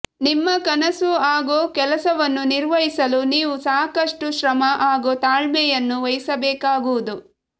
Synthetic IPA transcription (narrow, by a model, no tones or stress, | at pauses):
nimːɐkɐnɐsuaːɡoːkɛlɐsɐʋɐnːuniɾʋɐɦisɐluniːʋusaːkɐʂʈuʃɾɐmɐʔaːɡoːt̪aːɭmɛjɐnːuʋɐjisɐbɛːkaːɡuːud̪u